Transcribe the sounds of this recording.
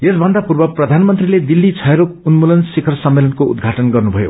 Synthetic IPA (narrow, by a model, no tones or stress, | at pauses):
esbʱʌnd̪apurbʌprʌd̪ʱanmʌnt̪riled̪ilːit͡sʰʌɦɾokunmulʌnsikʰʌrsʌmːelʌnkoṵd̪ɡʱaʈʌnɡʌrnubʱʌjo̰